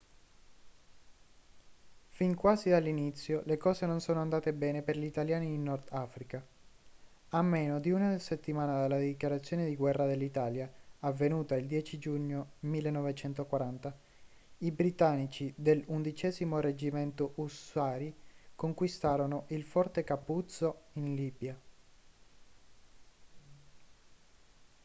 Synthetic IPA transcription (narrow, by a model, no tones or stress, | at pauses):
fiŋkwaːzid̪alːinit̪sːjolekɔːzenonsoːnoand̪aːt̪ebɛːneperʎit̪aljaːniːnːɔrd̪afɾika | amːeːnod̪iuːnad̪elset̪ːimaːnad̪alːad̪ikjaɾat̪sːjoːned̪iɡwɛrːad̪elːit̪aːljaːvːenuːt̪aild̪jɛːt͡ʃid͡ʒuɲːomilːenːɔvet͡ʃɛnt̪okwaɾant̪a | ibɾit̪anːit͡ʃid̪elund̪it͡ʃɛːzimored͡ʒimɛnt̪oʔusaːɾikoŋkwist̪aːɾonoʔilfɔrt̪ekapːut̪soinliːbja